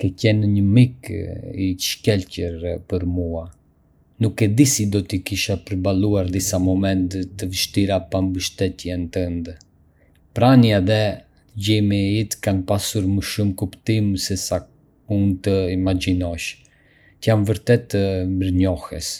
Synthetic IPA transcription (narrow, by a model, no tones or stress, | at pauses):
kɛcɛnɲəmikiʃkɛlcəɾpəɾmua | nukːɛd̪isid̪ɔt̪ikiʃapəɾbaluaɾd̪isamɔmɛnt̪t̪ːəvəʃt̪iɾapambəʃt̪ɛt̪jɛnt̪ənd̪ | pɾanjaðɛ | ɟimiit̪kanpasuɾməʃumkupt̪imsɛsak | unt̪əimad͡ʒinɔʃ | t̪əjamvəɾt̪ɛt̪ːəmbəɾɲɔhɛs